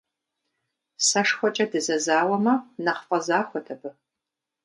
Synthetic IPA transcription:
sɐʂxʷɔt͡ʃʼɐdɨzɐzaːwɐmɐnɐqfʼɐzaːxʷɔtʰɐbɨ

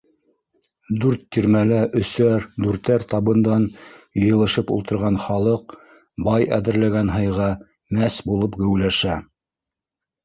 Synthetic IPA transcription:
d̪ʉɾt̪ːiɾmælæʔɵ̆sæɾd̪ʉɾt̪æɾt̪ɑβɤ̆nd̪ɑnjɤ̆jɤ̆lˠɤ̆ʃɤpṵlˠt̪ɤ̆ɾʁɑnχɑlˠɤq̚ | bɑjæðɘ̆ɾlæɡænɦɤ̆jʁɑ | mæsbulˠɤpɡɵ̆wlæʃæ

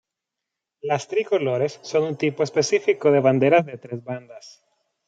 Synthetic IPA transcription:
last̪ɾiko̞lo̞ɾe̞sːo̞nunt̪ipo̞espe̞sifiko̞ðe̞βand̪e̞ɾazðet̪ɾe̞zβand̪as

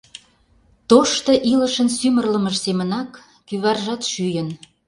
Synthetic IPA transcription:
t̪oʃt̪ɤ̆ʔilə̆ʃənsymərləməʃsemənɑkː | yβɑrʒɑt̪ʃyjən

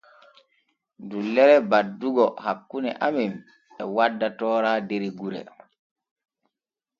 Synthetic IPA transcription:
dulːɛɾɛbadːuɡɔhakːunɛ̰ʔamim | ɛwadːatɔːɾaːdeɾiɡuɾɛ̰

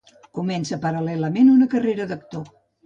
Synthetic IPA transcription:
kumɛnsəpəɾəlɛləmenunəkəreɾəðək̚t̪o

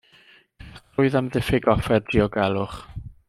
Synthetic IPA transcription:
ʊɨðamðɪfɪɡɔfɛrdiɔɡɛlˠʊχ

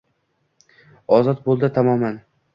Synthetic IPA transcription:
ɒzɒt̪̚bolˠd̪ɪt̪ʰamɒman

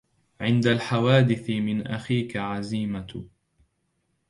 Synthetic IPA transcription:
ʕɪnd̪alħawaːd̪ɪθɪmɪnʔaxiːkaʕaziːma

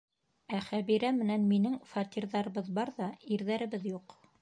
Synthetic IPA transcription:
æχæβiɾæmɘ̆nænminɘŋfɑt̪ʲiɾðɑɾɤ̆βɤðbɑɾðɑiɾðæɾɘ̆βɘðjuq

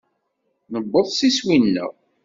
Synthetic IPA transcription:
nəbːəðˤsiswinːə̰ʁ

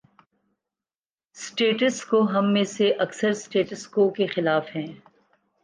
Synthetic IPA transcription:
sʈeːʈəskoɦɐmːẽseʔɐksəɾsʈeːʈəskoːkexɪlaːfɦɛ̃ː

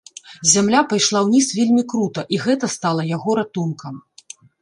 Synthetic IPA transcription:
zʲamlʲapajʂlˠawnʲisvʲelʲmʲikɾut̪ɐʔiɣɛt̪ɐst̪alˠɐjaɣɔɾat̪unkʰɐm

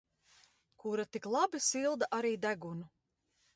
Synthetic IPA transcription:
kuɾat̪iklˠabisilˠd̪aʔaɾiːd̪æɡunu

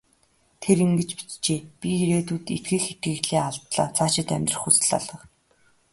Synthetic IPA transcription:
t̪ʰeɾiŋɡɘ̆t͡ɕpi̥t͡ɕt͡ɕeːpʲiiɾeːt̪uːt̪it̪ɡɘ̆xet̪̚ɡɘ̆ːɣɮeːaɮt̪ɮa̰ːt͡sʰaːʃɪ̆t̪æ̰mʲt̪rə̆χxut͡sɘ̆ɮa̰ɮə̆q

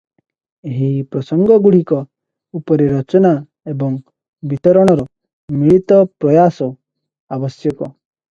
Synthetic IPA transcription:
eɦipɾɔsɔŋɡɔɡuɽ̤ikɔ | upɔɾeɾɔt͡ʃɔna | ebɔŋ | bit̪ɔɾɔɽ̃ɔɾɔ | miɭit̪ɔpɾɔjasɔ | abɔsjɔkɔ

